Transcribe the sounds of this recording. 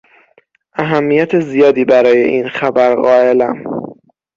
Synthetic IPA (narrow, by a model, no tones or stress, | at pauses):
ʔæɦæmːijæt̪ʰezijɒːd̪iːbæɾɒːje̞̰ʔiːnxæbæɾɢɒːe̞læm